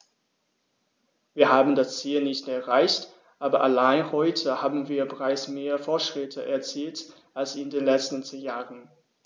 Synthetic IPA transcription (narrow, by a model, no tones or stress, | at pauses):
viːɐhaːbn̩dast͡siːlnɪçtɛɐʁaɪçt | ʔaːbɐʔalaɪnhɔʏtʰəhaːbn̩viːɐbəʁaɪt͡smeːɐfoːɐtʃʁ̥ɪtʰəʔɛɐt͡siːlt | ʔalsɪndeːnlɛt͡stn̩t͡seːnjaːʁən